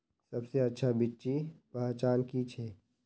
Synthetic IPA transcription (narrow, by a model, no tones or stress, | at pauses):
sɐbseɐtːʃʰabitːʃipat͡ʃaːnkit͡ʃʰɛː